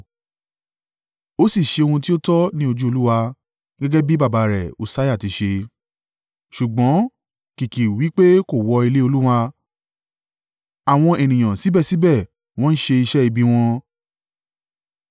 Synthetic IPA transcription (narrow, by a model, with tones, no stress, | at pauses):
o˦si˦˨ʃe˧o˧hũ˧ti˦o˦tɔ˦nĩ˦o˧d͡ʒu˦o˧lu˦wa˧ | ɡɛ˦ɡɛ˦bi˦ba˦˨ba˨˧ɾɛ˨u˨sa˦ja˦˨ti˧˦ʃe˧ | ʃu˨ɡ͡bɔ̃˨˦ | ki˨ki˨wi˨˦k͡pe˦ko˦˨wɔ˧i˧le˦o˧lu˦wa˧ | a˨w̃ɔ̃˧e˨nĩ˨j̃ã˨si˨˦bɛ˦˨si˨˦bɛ˦˨ | w̃ɔ̃˦n̩˦ʃe˧i˧ʃɛ˦i˧bi˦w̃ɔ̃˧